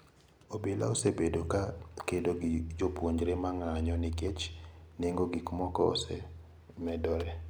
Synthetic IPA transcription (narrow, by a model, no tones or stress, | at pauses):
obela̰osebedokakedoɡd͡ʒopwoɲd͡ʒɾemaŋaɲɔnɪɡet͡ʃneŋɡoɡɪkmɔkɔɔ̰sɛ̰ | mɛdɔɾɛ